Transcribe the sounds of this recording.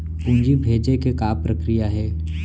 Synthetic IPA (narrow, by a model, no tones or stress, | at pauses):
pũnd͡ʒibʱeːd͡ʒekekaːpɾɐkɾijaɦɛː